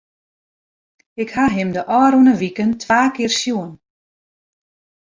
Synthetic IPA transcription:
ɪkhaɦɪmdəʔɔːɾunəʋikəntʰʋaːkɪərsjuən

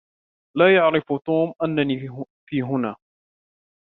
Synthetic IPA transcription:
laːjaʕɾɪft̪uːmʔanːani | fiːɦʊnaː

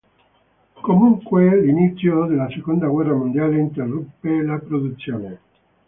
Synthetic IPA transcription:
komuŋkwelinit̪sːjod̪elːasekond̪aɡwɛrːamond̪jaːleint̪erːupːelapɾod̪ut̪sːjoːne

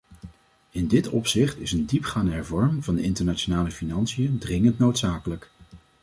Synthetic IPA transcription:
ɪndɪtʰɔ̰psɪχtɪsəndipχaːndəɦɛɹvɔɹmŋvɑndəɪntəɹnat͡ʃonaːləfinɑnsijəndrɪŋəntnowtsaːkələk

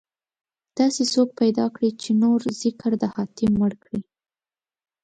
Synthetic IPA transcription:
d̪̥ɑsesok̚pajd̪ɑkɽit͡ʃenoɾz̥ɪkɾd̪əhɑt̪ɪmːəɽkɽi

